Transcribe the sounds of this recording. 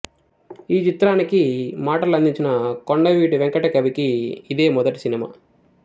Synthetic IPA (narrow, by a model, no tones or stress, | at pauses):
iːt͡ʃit̪ɾaːnikimaːʈɐlɐnd̪iɲt͡ʃinɐkoɳɖɐʋiːʈiʋɛŋkɐʈɐkɐbikiːd̪e̞ːmɔd̪ɐʈi̥sinima̰ː